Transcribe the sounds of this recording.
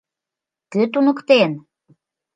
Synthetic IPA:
køt̪unə̆kt̪en

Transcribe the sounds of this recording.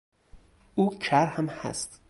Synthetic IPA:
uːt͡ʃʰæɾhæmhæ̰st̪

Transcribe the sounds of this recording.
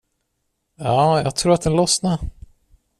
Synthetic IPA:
jɑːjɑ̰ːɡ̚t̪ʰɾuːɾat̪̚d̪ɛnlɔsnaɾ

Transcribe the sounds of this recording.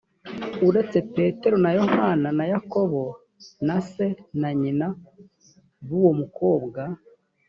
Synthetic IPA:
uɾe̞t͡se̞pe̞ːte̞ɾo̞najo̞hananajako̞βo̞ | nase̞naɲina | βuwo̞muko̞ːbɡa

